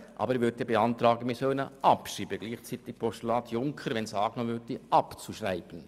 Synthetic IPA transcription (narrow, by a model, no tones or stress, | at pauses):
ʔɑ̰ːbəɾʋʏɾdəbeɑnt̪ɾɑːɡəmisøːnəʔɑpʃiːbəɡliːχt͡siːt̪ɪk̚pʰɔstulɑːt̪ʰjʊŋkʰəɾʋɛnsɑːɡnoʋʏdiʔɑpt͡suʃraɪb̥ən̩